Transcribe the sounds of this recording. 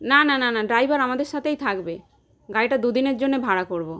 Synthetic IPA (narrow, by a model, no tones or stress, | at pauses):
nanananaɖɾajbaɾamad̪eɾʃat̪ʰejt̪ʰakbe | ɡajʈad̪ud̪ineɾd͡ʑonːebʱaɽakoɾbo